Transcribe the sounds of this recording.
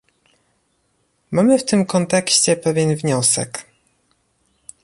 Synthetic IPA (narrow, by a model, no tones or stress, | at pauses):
mamɘft̪ɘmkɔnt̪ɛkɕt͡ɕɛpɛvʲjɛnvɲɔsɛ̰k